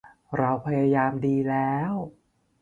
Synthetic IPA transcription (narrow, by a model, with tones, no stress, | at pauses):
ɾa˧wpʰa˧jaː˧jaː˧mdiː˧lɛː˦˥w